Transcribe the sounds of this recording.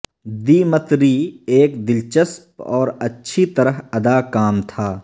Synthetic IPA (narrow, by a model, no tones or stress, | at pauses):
d̪iːmət̪ɾieːkd̪ɪlt͡ʃəspɔ̰ːɾɐtːʃʰit̪ɐɾəɦɐd̪aːkaːmt̪ʰaː